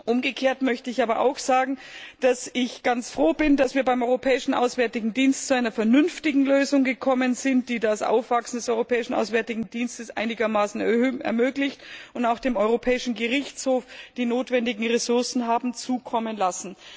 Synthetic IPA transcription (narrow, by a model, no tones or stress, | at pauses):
ʔʊmɡəkʰeːɐtmœçtəɪçʔaːbɐʔa̰ʊxz̥aːɡŋ̩d̥asɪçɡ̥ant͡sfʁ̥oːbɪndasv̥iːɐbaɪmʔɔʏʁopʰɛːɪʃn̩ʔa̰ʊsv̥ɛɐtɪɡŋ̩diːnstt͡suaɪnɐfɛɐnʏnftɪɡŋ̩løːzʊŋɡəkʰɔmənzɪnt̚d̥iːdasʔa̰ʊfv̥aksn̩dɛsʔɔʏʁopʰɛːɪʃn̩ʔa̰ʊsv̥ɛɐtɪɡŋ̩diːnstəsʔa̰ɪnɪɡɐmaːsn̩ɛɐɛ̰ɐmøːklɪçtʊntaʊxd̥eːmɔʏʁopʰɛːɪʃn̩ɡəʁɪçt͡shoːfd̥iːnoːtv̥ɛndɪɡŋ̩ʁesʊɐsn̩ɦaːbm̩t͡suːkʰɔmənlasn̩